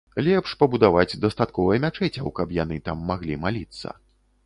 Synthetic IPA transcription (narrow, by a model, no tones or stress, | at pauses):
lʲɛpʂpɐbud̪avad͡zʲd̪ɐst̪at̪̚kɔvɐjɛmʲat͡ʂɛt͡sʲɐwkɐpjanɨt̪amːaɣlʲimalʲit̪sːɐ̰